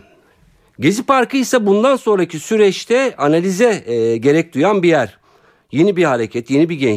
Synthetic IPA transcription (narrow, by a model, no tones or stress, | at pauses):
ɟezipaɾkɯjsabund̪anso̞nɾacʰisyɾɛt͡ʃt̪ʰɛanalʲizɛɟe̞ɾɛc̚d̪ujanbijæɾ | je̞nibihaɾecʰɛt̪ʰje̞nibiɟɛn